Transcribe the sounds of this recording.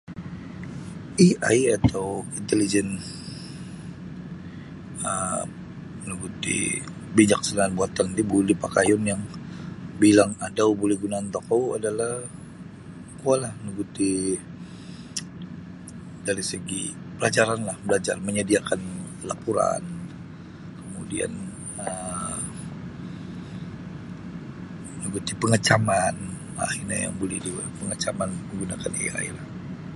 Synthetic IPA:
ia̰jat̪ʰawint̪elid͡ʒɛn | ə | nəɡut̪ḭ | biɲak̚sənaŋanbuat̪andibulipakajɔnjaŋ | bilaŋadawbolɛhɡunant̪ɔkawa̰dalah | kualahnəɡut̪i | daɾisəɡḭ | pəlad͡ʒaɾanlahbəlad͡ʒa̰rməɲədiakanlapuɾa̰n | kəmudia̰n | ə | nəɡut̪ipəŋət͡ʃaman | a̰hirɲaja̰ŋbolɛhdiwapəŋət͡ʃamanməŋɡunakanḛa̰ḭlah

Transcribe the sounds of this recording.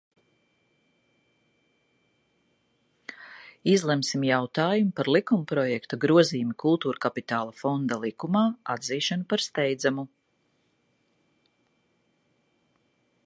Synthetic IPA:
izlˠɛmsimjawt̪aːjumpaɾlˠikumpɾɔjɛkt̪aɡɾuɔziːumikʰulˠt̪uːɾkapit̪aːlˠafɔnd̪alˠikumaːad̪ziːʃanupaɾst̪ɛjd̪zamu

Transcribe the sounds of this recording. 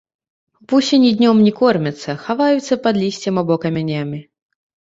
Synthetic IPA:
pusʲinʲid̪ʲnʲɔmnʲikɔrmʲɛt̪sːɐxavajut̪sːɐpad̪lʲisʲt͡sʲɛmabɔkɐmʲanʲamʲi

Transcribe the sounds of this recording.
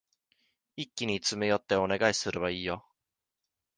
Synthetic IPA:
ikʲːiɲ̟it͡sɨmejo̞t̪ːe̞o̞ne̞ɡaisɨɾɯβaiːjo̞

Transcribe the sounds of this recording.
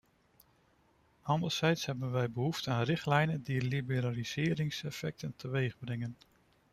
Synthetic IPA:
hɑndəlˠsɛjtsɦɛbənʋɛjbəɦuftəaːnrɪχtlɛjnəndilibəɾaliz̥ɪːɾɪŋsɛfɛk̚təntʰəʋejχbrɛŋən

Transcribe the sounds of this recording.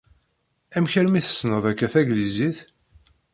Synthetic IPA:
æmçəɾmiθə̥snəðˤækːæθæɡliziθ

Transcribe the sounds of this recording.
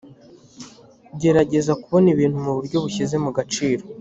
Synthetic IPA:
ɟe̞ɾaɟe̞zakuβo̞niβiːnhumuβuɾɟo̞βuçize̞muɡat͡ʃiːɾo̞

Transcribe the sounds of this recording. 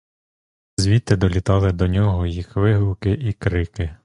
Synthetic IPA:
zʲʋʲit̪ɪd̪ɔlʲit̪ɑlˠɪd̪ɔnʲɔɦɔjixʋɪɦlˠʊkɪʔikɾɪkɪ

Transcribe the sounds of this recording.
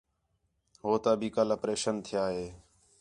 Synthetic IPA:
ɦoːt̪aːbʱiːkələpɾeːʃənt̪ʰɪjaːɦeː

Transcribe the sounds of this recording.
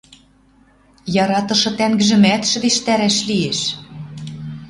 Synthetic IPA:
jɑɾɑt̪ɤ̆ʃɤ̆t̪æŋɡɘ̆ʒɘ̆mæt̪ʃɘ̆d̪eʃt̪æɾæʃlieʃ

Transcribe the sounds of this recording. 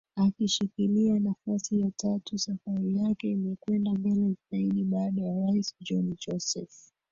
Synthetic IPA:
akiʃikilianafasijatʰatusafaɾijakɛimɛkwɛndaɡɛlitaiɗiɓaːɗajaɾaisd͡ʒɔnd͡ʒɔsɛf

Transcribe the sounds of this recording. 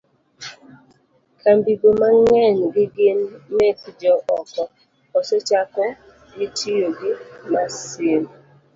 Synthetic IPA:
kʰambiɡomaŋɛnɡɪɡɪnːekd͡ʒɔʔɔkɔ | ɔsɔt͡ʃakɛ | ɡɪtijoɡɪmasem

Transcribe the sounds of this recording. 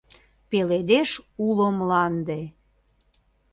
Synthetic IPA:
peled̪eʃulomlɑnd̪e

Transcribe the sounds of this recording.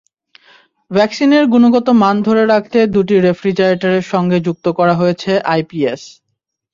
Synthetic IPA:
bʱɛksineɾɡunoɡɔt̪omand̪ʱoɾeɾak̚ʰt̪ed̪uʈiɾefɾid͡ʑaɾeʈaɾeɾʃɔŋɡed͡ʑuk̚t̪okɔɾaɦojet͡ɕʰeʔajpies

